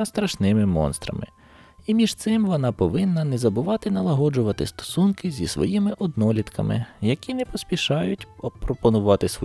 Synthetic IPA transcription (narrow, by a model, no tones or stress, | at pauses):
st̪ɾɐʃnɪmɪmɔ̰nst̪ɾɐ̰mɪ̰ | imʲiʒt̪sɪmʋɔnɑpɔʋɪnːɐnɛzɐbʊʋɑt̪ɪnɐlˠɐɦɔd͡ʒʊʋɐt̪ɪst̪ɔ̥sunkɪzʲisʋɔ̰jimɪʔɔd̪nɔlʲit̪kʰɐ̰mɪ̰jɐkʲinɛpɔspʲiʃɑjʊtʲɔpɾɔpɔnʊʋɑt̪ɪsʋɔ